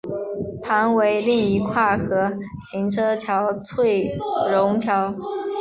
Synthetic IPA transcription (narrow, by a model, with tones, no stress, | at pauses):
pʰa˧˥nwe˧˥ɪli˥˩ŋi˧˥kʰwa˥˩xɤ˧˥ɕi˧˥nʈ͡ʂʰɤ˥t͡ɕʰjɑ˧˥ʊt͡sʰwe˥˩ɪɻʊ˧˥ŋt͡ɕʰjɑ˧˥ʊ